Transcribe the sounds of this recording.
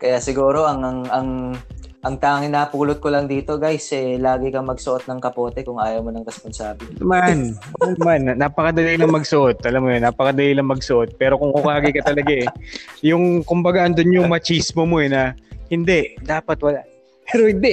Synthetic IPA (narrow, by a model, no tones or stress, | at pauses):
kɐjasɪɡuːɾo̞ʔɐŋɐŋɐŋ | ʔɐŋt̪aːŋɪnaːpuːlʊt̪̚kolɐŋd̪iːt̪o̞ɡajsʔɛlaːɡɪkɐmɐɡsʊʔot̪̚nɐŋkɐpo̞ːt̪ɛkʊŋʔaːjɐwmonɐŋɾɛsponsaːblnɐmannmanːapɐkɐd̪ɐlilɐŋmɐɡsʊʔo̞t̪̚ʔɐlamːojonːaːpɐkɐd̪ɐlilɐŋmɐɡsʊʔo̞t̪̚pɛːɾo̞kʊŋkʊkaːɡɐkɐt̪ɐlɐɡajʊŋkʊmbɐɡaʔɐnd̪onɲʊŋmɐt͡ʃiːsmomoɛnɐhɪnd̪ɛʔd̪aːpɐt̪wɐlaʔ | pɛɾohɪnd̪ɛ